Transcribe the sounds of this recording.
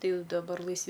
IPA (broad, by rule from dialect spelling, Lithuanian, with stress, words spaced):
tɐɪ dɐˈbɐr lˠɐɪsʲˈʋʲɪ